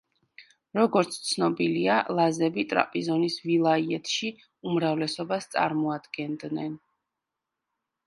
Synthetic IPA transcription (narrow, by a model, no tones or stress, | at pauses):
ɾɔɡɔɾt̪sʰt̪sʰnɔbilialˠazɛbit̪ʼɾa̰pʼizɔnisvilˠaiɛt̪ʰʃi | umɾavlɛsɔbast̪sʼa̰ɾmɔad̪ɡɛnd̪nɛn